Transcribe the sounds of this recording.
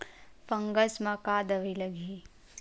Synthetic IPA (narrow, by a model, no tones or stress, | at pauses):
pə̃ŋɡəsmãkaːd̪ɐʋilɐɡʱi